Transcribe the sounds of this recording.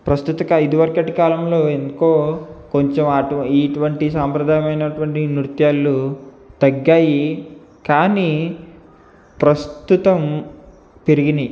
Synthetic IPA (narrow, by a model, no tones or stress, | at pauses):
pɾɐst̪ut̪ɐkaːid̪uʋɐɾkɐʈikaːlɐmlo̞ːend̪uko̞ːko̞ɲt͡ʃemaʈiːʈuʋɐɳʈisaːmpɾɐd̪ʱaːjɐmɐjnɐʈuʋɐɳʈinɾut̪jaːlːu | t̪ɐɡːaːji | kaːniː | pɾɐst̪ut̪ɐm | piɾiɡind̪i